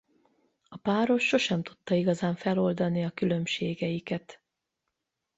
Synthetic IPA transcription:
ɒpaːɾo̞ʃːo̞ʃɛmt̪u̥t̪ːɒiɡɒzaːɱfɛlo̞ld̪ɒniɒkylø̞mʃeːɡɛjikɛt̪

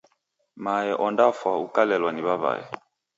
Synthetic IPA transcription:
maɛʔɔndafwaukalɛlwaniβaβa̰ɛ̰

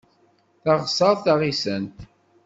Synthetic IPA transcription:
θɑʁsˤɑðˤθaʁisənt̪

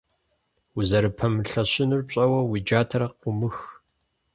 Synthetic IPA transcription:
uzɐɾɨpʰɐmɨɬɐɕɪnurpɕʼɐwɐwid͡ʒaːtʰɐɾɐqʷʊmɨx

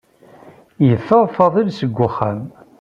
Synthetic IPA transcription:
jəθːəʁˤfɑðˤilsəɡʷːʊχːæm

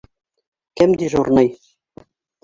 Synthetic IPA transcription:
kɘmd̪iʒurnɤj

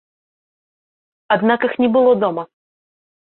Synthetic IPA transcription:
ad̪nakɨxnʲɛbɨlˠɔd̪ɔmɐ

